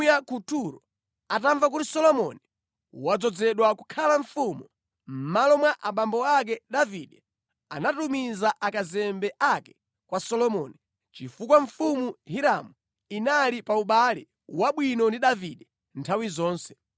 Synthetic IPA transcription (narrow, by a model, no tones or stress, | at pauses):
jakutuɾɔ | ataɱvak̬utisɔlɔmɔni | wad͡zɔd͡zɛɗwaku̥kʰalaɱfumu | m̩malɔmwaʔaɓambɔak̬ɛɗaviɗɛ | anatumizaʔakazɛmbɛʔakɛ̥ | kwasɔlɔmɔni | t͡ʃifukwaɱfumuhiɾamu | inalipauɓalḭ | waɓwinɔndiɗaviɗɛ | ntʰawizɔːnsɛ̥